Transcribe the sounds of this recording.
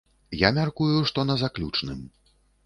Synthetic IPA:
jamʲarkujuʂt̪ɔnɐzaklʲut͡ʂnɨ̰m

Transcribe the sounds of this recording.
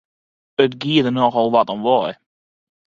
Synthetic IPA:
ətɡiədənɔxɔlˠʋatɔnʋɔj

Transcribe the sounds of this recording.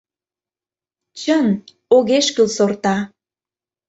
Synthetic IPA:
t͡ɕən | oɣeʃkylsort̪ɑ

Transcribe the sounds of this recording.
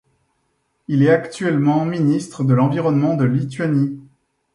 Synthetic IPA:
ilɛt̪akt̪ɥɛlmɑ̃minist̪χəd̪əlɑ̃viʁɔnmɑ̃d̪əlit̪ɥani

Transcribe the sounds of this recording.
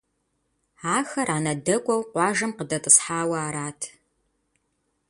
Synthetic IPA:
aːxɐrʔaːnɐdɐkʷʼɔwqʷɑːʒɐmqədɐtʼɨsħaːwɐaːɾaːtʰ

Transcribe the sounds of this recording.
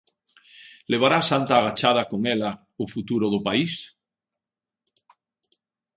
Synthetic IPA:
leβ̞aɾasant̪aːɣat͡ʃaðakoŋela | ofut̪uɾoðopais

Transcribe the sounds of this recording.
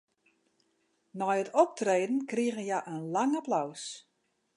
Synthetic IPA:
nɔjətɔp̚treːdən̩kriəɣənjaʔənlaŋaplaws

